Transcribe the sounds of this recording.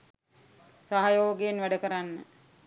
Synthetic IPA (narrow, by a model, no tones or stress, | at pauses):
saɦajoːɡeːnʋæɖəkəɾanːə